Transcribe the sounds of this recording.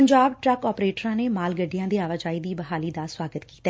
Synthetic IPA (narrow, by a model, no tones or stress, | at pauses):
əɲd͡ʒaːbʈɾɛkɔːpɾeːʈəɾãːneːmaːlɡəɖijãːd̪iːaːʋad͡ʒaːiːd̪iːbəɦaːliːd̪aːswaːɡət̪ki̥ːt̪a